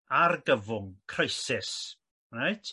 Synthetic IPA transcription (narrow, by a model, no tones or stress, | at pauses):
arɡəvʊŋkʰrajsɪs | rajtʰ